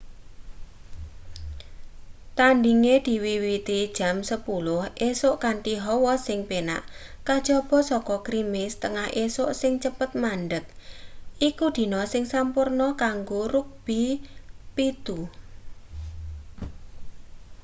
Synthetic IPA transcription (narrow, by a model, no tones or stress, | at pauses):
t̪aɳɖiŋed̪̥i̤wiwit̪id̥ʒ̥a̤msəpulʊhʔesʊʔkaɳʈiɦɔwɔsɪŋpena̰ʔkad̥ʒ̥ɔb̥ɔ̤sɔkɔkɾimɪst̪əŋahʔesʊʔsɪŋt͡ʃəpət̪̚maɳɖək̚ʔikud̪̥i̤nɔsɪŋsampʊrnɔkaŋɡoɾʊk̚b̥i̤pit̪u